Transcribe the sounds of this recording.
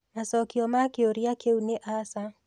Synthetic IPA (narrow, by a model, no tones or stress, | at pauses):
masɔkiɔmakioɾiakeuneʔasa